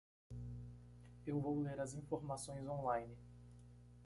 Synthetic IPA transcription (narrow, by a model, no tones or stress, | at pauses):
ewvowleɾɐzĩfoɾmasõj̃zõlajnɪ